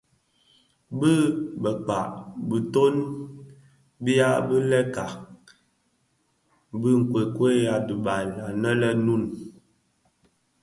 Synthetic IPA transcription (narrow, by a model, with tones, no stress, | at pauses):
bə˦bə˨k͡pa̰˨ʔbə˨to˦n | bi˦a˦bə˦lɛ˦ka˨ | bɨ˦ŋ̩˨kwe˨kwe˦ja˨du˨ba˨la˨nə˦lə˦nu˦˨n